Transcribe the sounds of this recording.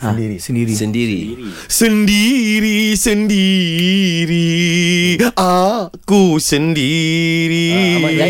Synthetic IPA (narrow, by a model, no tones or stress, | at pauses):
isəndiɾḭ | səndiɾisəndi | ɾi | ʔakusəndiɾi